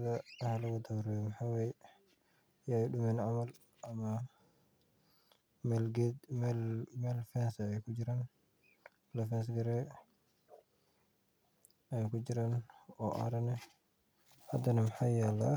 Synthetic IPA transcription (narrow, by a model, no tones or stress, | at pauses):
dahalwudawɾɛmhawɛj | jaɗumɛnamal | ʔama | mɛlɡɛmlmɛlfɛnsajkud͡ʒiɾan | lafɛns̬ɡɛɾɛ | ajkud͡ʒiɾanɔʔa̰ɾanɛ | hadanamhajala